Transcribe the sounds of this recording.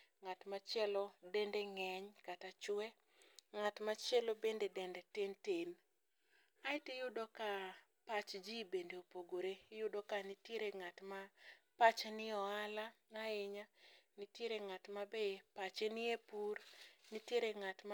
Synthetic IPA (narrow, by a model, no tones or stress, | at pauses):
ŋatmat͡ʃɛlɔdɛndeŋɛɲkatat͡ʃʊwɛ | ŋatmat͡ʃɛlobendedɛndɛtenten | aɪtejʊdɔka | pat͡ʃd͡ʒibendeopoɡoɾejʊdɔkanitjeɾeŋatmapat͡ʃenɪɔala | aɪɲanitjeɾeŋatmabepat͡ʃenɪepurnitjeɾeŋatm